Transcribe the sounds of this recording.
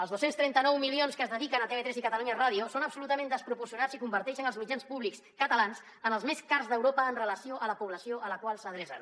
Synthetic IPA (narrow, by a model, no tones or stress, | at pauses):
əlzðosenst̪ɾɛnt̪ənɔwmilionskəzðəðikənət̪eβet̪ɾezikət̪əluɲəiraðiusonəpsulut̪əmẽnd̪əspɾupuɾsiunasikumbəɾt̪ɛʃənəlˠzmid͡ʒanspuβlikskət̪əlans | ənəlˠzmeskarzðəwɾopəːnrələsioʔələpuβləsioʔələkwalˠsəðɾɛsə̰n